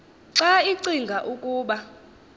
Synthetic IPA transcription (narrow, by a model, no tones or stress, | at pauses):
ǁaiǀiŋɡʱaʔukʼuːɓa